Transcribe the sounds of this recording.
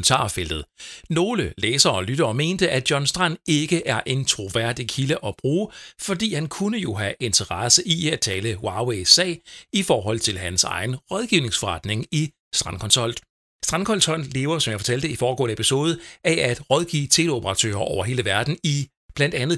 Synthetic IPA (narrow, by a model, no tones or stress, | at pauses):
n̩t͡sʰɑ̰̈ːfel̰d̥ð̩ˠno̝ːləleːsɐɒ̽lyɾ̥ɐːme̝̰ːnd̥əʔæ̥jɒ̽nsd̥ʁɑn̰e̝ɡ̥əʔæɐʔe̝nt͡sʰʁo̝ʋæɐ̰d̥ikʰiləʔɒ̽b̥ʁuːfɒ̽d̥ḭːhænkʰunəjo̝ɦæʔe̝nt͡sʰəʁɑsəʔiæt͡sʰɛːləwɑ̈ːweɪsɛ̰ːɪifɒːɦɒ̽l̰t͡sʰe̝lɦænsɑ̈ɪn̩ʁɒðˠɡ̥iʊne̝ŋsfɒʁɑ̈d̥ne̝ŋi | sd̥ʁɑ̈nkʰɒ̽nsɒ̽l̰d̥ | sd̥ʁɑnkʰɒ̽l̰shɒ̽n̰le̝ːʊɐsɒ̽mjɑ̈fɒ̥̽t͡sʰæl̰d̥əifɒːɡ̥ɔ̰̽ːnəepʰiso̝ːð̞ˠæʔæd̥ʁɒð̞ˠɡ̥ḭːt͡sʰe̝lopʰəʁɑ̈t͡sʰø̰ːɐʔɒʊɐɦe̝ːləʋæɐd̥n̩i | b̥læn̰d̥ænð̩ˠ